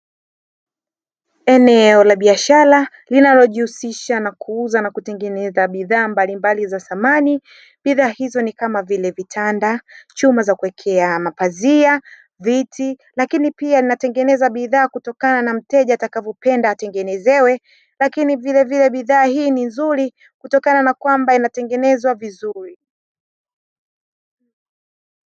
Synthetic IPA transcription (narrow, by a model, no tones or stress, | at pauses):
ɛnɛɔlaɓiaʃaɾa | linalɔʄihusiʃanakʰuuzanakutɛŋɡɛnɛzaɓiðaːmbalimbalizaθamani | ɓiðaːhizɔnikamavilɛvitʰandat͡ʃumazakuwɛkʰɛamapazia | vitʰi | lakinipialinatɛŋɡɛnɛzaɓiðaːkutɔkananam̩tɛʄaːtakavɔpɛndaːtɛŋɡɛnɛzɛwɛ | lakinivilɛvilɛɓiðaːhiːninzuɾi | kutɔkananakwambainatɛŋɡɛnɛzwavizuɾi